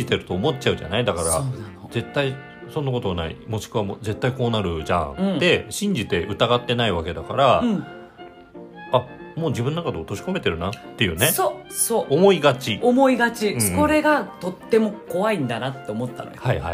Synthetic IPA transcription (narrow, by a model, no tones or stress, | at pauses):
it̪e̞ɾɯ̟t̪o̞ːmo̞t̚t͡ɕaɯ̟ʑa̰naid̪akaɾa̰ze̞t̪ːai | sõ̞nːako̞t̪o̞βanaḭmo̞ɕi̥kɯ̟βamo̰d͡ze̞t̪ːaiko̞ːnaɾɯ̟ʑã̰d̪e̞ɕĩɲ̟d͡ʑit̪e̞ʔɯ̟t̪aɡat̪ːe̞naiβake̞d̪akaɾaɯ̟̃ | amo̞ːd͡ʑibɯ̃nonːakad̪e̞ot̪o̞ɕi̥ko̞me̞t̪e̞ɾɯ̟nat̪ːe̞jɯ̟ːne̞sosoːomo̞iɡat͡ɕiomoiɡat͡ɕiɯ̟̃ko̞ɾe̞ɡat̪o̞t̪ːe̞mo̞ko̞βaĩnd̪anat̪ːeomo̞t̪ːa̰no̰ɡhaiha̰i